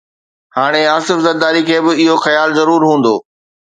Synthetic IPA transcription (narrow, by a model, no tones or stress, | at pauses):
haːɽ̃eaːsɪfzɐɾd̪aːɾikʰeːbɪɪɦoxɐjaːlzɐɾuːɾɦũːn̆d̪oː